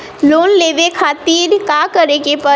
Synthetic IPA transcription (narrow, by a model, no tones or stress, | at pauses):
lonleʋekʰat̪iːɾkakəɾekepə